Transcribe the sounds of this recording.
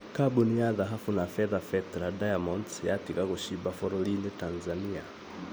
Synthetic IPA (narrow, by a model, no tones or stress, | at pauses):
kabuniaðaɦafunafɛðafɛtɛɾadajamɔntjatikaɣuʃibafɔɾɔlinɛtanzania